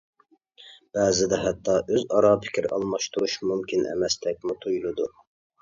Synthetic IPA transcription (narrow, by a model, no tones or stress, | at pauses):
b̥ɛːzɪd̪ɛɦɛt̪ːɑʔøzɑɾɑːpʰɪ̥kʲʰiɾɑ̰lˠmɑʃt̪ʰuɾuʃmumkʲinʔɛ̰mɛst̪ʰɛk̚ʲmut̪ʰujlˠud̪u